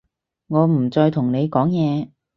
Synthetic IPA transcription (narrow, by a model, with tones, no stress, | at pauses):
ŋɔː˨˧m̩˨˩t͡sɔː˧jt̪ʰʊ˨˩ŋne˨˧jkɔː˨˥ŋjɛː˨˧